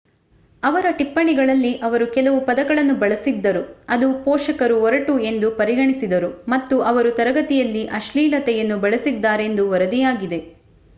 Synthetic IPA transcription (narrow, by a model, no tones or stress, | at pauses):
ɐʋɐɾɐʈipːɐɳiɡɐɭɐlːiʔɐʋɐɾukɛlɐʋupɐd̪ɐɡɐɭɐnːubɐɭɐsid̪ːɐɾuɐd̪upɔːʂɐkɐɾuɔɾɐʈue̞nd̪upɐɾiɡɐɳisid̪ɐɾumɐt̪ːuʔɐʋɐɾut̪ɐɾɐɡɐt̪ijɐlːiʔɐʃliːlɐt̪ɛjɐnːubɐɭɐsid̪ːaːɾe̞nd̪uʋɐɾɐd̪ijaːɡid̪e̞